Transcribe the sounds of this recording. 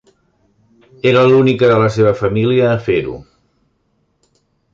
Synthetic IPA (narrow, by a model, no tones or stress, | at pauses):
eɾəlunikəðələs̬eβ̞əfəmiliəːfeɾṵ